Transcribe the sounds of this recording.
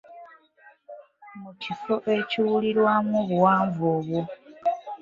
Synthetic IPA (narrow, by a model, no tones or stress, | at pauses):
mucifo̞ʔe̞ciwuliɾwamuβuwaːɱvoːβwo